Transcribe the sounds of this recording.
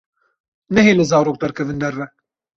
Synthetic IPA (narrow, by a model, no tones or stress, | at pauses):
nɛɦeːlɨzɑːɾoːk̚d̪ɛɾkʰɛvɨnd̪ɛrːɛ